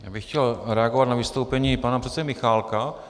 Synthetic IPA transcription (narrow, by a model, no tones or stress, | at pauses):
ja̰ːbɪxcɛlɾɛaɡovat̪navɪst̪owpɛɲiːpanapr̥ɛt̪sɛdɪmɪxaːlka